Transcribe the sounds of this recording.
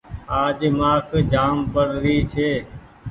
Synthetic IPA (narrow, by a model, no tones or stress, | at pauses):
aːd͡ʒmaːkd͡ʒaːmpəɾɾiːt͡ʃʰeː